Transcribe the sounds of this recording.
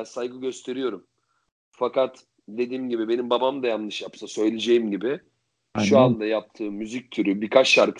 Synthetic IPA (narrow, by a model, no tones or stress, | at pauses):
nsajɡɯɟø̞st̪ʰe̞ɾijo̞ɾum | fakat̪ | d̪e̞d̪iːmɟibibe̞nimbabamd̪ajanɯʃjapsasø̞jlʲed͡ʒe̞jimɟibɪ | ʃuand̪ajap̚t̪ʰɯːmːyzic̚ʲt̪ʰyɾybikʰat͡ʃʃaɾk